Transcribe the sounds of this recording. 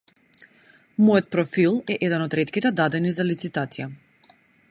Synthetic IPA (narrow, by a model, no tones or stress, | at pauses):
mɔjɔt̪̚pɾɔfilˠɛʔɛd̪ɛnɔd̪ɾɛt̪kʲit̪ɛd̪ad̪ɛnizalit̪sit̪at̪sija